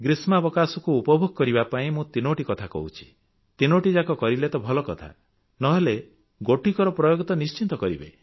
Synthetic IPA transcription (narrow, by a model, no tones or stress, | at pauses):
ɡɾismabɔkasɔkuːpɔbʱoɡɔkɔɾibapaĩmũt̪inoʈikɔt̪ʰakɔ̰ɦut͡ʃʰi̥ | t̪inoʈid͡ʒakɔkɔɾilet̪ɔbʱɔlɔkɔt̪ʰa̰ | nɔɦele | ɡoʈikɔɾɔpɾɔjoɡɔt̪ɔnist͡ʃint̪ɔkɔɾibḛ